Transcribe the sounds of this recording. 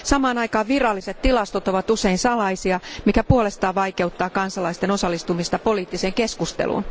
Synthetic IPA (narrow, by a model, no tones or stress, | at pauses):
sɑmɑːnɑikɑːʋʋirɑlːiset̪t̪ilɑst̪ot̪oʋɑt̪useinsɑlɑisiɑmikæpuole̞st̪ɑːʋɑike̞ut̪ːɑːkɑnsɑlɑist̪eno̞sɑlːist̪umist̪ɑpoliːt̪ːiseːŋkeskust̪ḛlṵn